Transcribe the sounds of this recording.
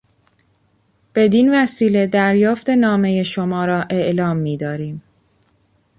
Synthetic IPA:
b̥e̞d̪invæsiːle̞d̪æɾjɒːft̪e̞nɒːme̞je̞ʃomɒːɾɒːʔe̞ʔlɒːmːiːd̪ɒːɾiːm

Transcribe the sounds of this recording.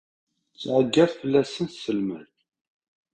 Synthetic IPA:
t͡sːʕəɡːæðfəlːæsənsəlmæ̰n

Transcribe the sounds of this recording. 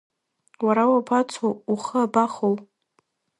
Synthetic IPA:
waɾawapʰat͡sʰouχəabaχow

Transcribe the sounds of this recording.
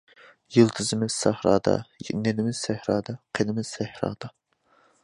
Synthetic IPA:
jilˠt̪ʰɨzɪmɪz̥sæhɾɑ̰ːd̪ɑ̰nɛnɪmɪz̥sæhɾɑːd̪ɑqʰenɪmɪz̥sæhɾɑ̰ːd̪̥ɑ

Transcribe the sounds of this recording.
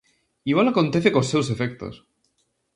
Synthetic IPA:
iɣwalako̞nt̪eθekosewse̞fek̚t̪o̰s

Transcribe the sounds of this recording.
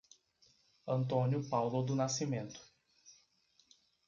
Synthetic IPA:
ɐ̃nt̪õnjʊpawlʊd̪ʊnasimẽnt̪ʊ̥

